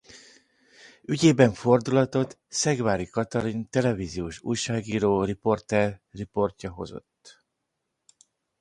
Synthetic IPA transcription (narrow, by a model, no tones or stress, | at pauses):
yɟeːbɛɱfo̞rd̪ulɒt̪o̞t̪ | sɛɡvaːɾikɒt̪ɒɾint̪ɛlɛviːzijoːʃṵjʃaːɡiːɾoːripo̞rt̪ɛrːipo̞rcɒɦo̞̰zo̞̰t̪ː